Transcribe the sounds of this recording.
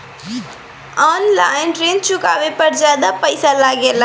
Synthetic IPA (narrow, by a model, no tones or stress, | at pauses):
aːnlaːɪnʈɾeːnt͡ʃʰʊkaːʋepɐɾzjaːd̪apəɪsalaːɡela